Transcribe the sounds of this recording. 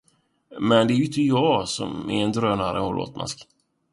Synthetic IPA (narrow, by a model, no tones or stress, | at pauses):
mɛnd̪ɛæɾjʏɪnt̪əjɑːsɔ̰mɛ̰ɾɛnd̪ɾøːnaɾə̰hoːlʔo̰ːt̪mʔa̰sk